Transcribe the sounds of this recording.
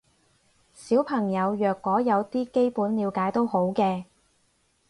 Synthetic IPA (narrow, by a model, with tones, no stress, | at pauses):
siː˨˥wpʰɐ˨˩ŋjɐ˨˧wjœː˨˩kːɔː˨˥jɐ˨˧wt̪iː˥ke˥jpuː˨˥nliː˨˧wkaː˨˥jt̪o˥who˨˥wkɛː˧